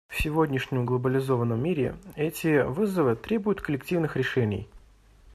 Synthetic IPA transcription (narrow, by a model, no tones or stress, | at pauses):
fsʲɪvodʲnʲɪʂnʲɪmɡlˠəbəlʲɪzo̞vənːəmːʲiɾʲɪ̰ɛtʲɪvɨzəvɨt̪ɾʲe̞bʊjʊt̪kəlʲɪktʲivnɨxɾʲɪʂɛnʲɪ̰j